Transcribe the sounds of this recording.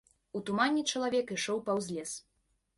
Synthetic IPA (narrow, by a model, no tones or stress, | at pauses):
ut̪umanʲːit͡ʂɐlˠavʲɛkiʂɔwpɐwzʲlʲɛs